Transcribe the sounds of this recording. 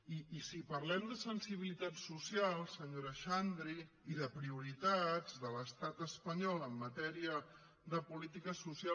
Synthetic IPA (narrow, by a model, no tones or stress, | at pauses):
iːsipɐɾlɛmd̪əsənsiβ̞ilit̪at̪susialˠsəɲoɾəʃand̪ɾiː | ðəpɾiuɾit̪ad͡zðələst̪at̪əspəɲɔlˠəmːət̪ɛɾiə | ðəpulit̪ikəsusia